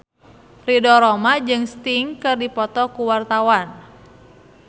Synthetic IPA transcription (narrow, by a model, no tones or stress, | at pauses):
ridɔɾɔmad͡ʒɨŋst̪iŋkɨrdipɔt̪ɔkuwart̪awan